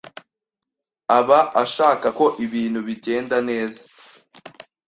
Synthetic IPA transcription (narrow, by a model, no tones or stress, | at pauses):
aβaaʃaːkako̞ʔiβiːnhuβiɟe̞ːndane̞ːza